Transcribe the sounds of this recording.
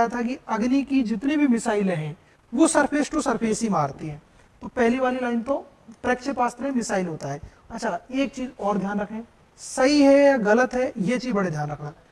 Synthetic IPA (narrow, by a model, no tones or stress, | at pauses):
jat̪ʰakiɐɡnikid͡ʒɪt̪nebʱimɪsaːɪlɦɛ̃ː | ʋosɐɾfʰeːsʈosɐɾfʰeːsimaːɾt̪iɦɛ̃ː | t̪opɛɦliʋaːlilaːɪnt̪õ | pɾɛːkt͡ʃʰepaːst̪ɾẽmɪsaːɪlɦoːt̪aɦɛː | ɐtːʃʰaeːk̚t͡ʃiːzɔːɾd̪ʱjaːnɾɐkʰẽː | sɐɦiɦɛjaɣɐlət̪ɦɛjet͡ʃiːzbɐɽed̪ʱjaːnɾɐkʰnaː